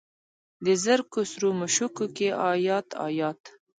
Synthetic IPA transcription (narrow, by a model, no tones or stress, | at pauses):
d̪əzəɾkʊsɾumʊʃukukeʔɑjɑt̪ʰɑ̰jɑt̪